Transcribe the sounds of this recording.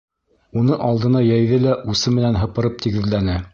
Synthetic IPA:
unɤʔɑlˠd̪ɤ̆nɑjæjðɘlæʔusɤmɘ̆nænɦɤ̆pɤ̆ɾɤp̚t̪iɡɘ̆ðlænɘ

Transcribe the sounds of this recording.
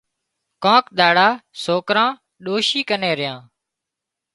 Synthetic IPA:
kãːkɗ̪aːɽaːsoːkɾãː | ɗoːʃiːkəneːɾɪjãː

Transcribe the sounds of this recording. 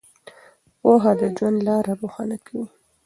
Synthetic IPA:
woɦɑd̪əd͡ʒwand̪lɑɾaboxɑnakʰawi

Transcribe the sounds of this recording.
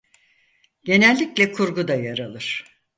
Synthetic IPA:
ɟ̥e̞nɛlʲːiclʲɛkʰuɾɡud̪ajaɾalˠɯɾ̥

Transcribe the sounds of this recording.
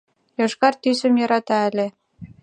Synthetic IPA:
joʃkɑrt̪ysə̆mjɑɾɑt̪ɑə̆lʲe

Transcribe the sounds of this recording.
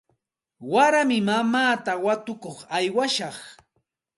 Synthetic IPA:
waɾamɪmamaːt̪awat̪ʊkoχajwaʃɑχ

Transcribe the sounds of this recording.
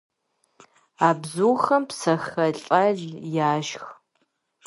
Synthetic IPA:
aːbzuːxɐmpsɐxɐɬʼɐɮjaːʒx

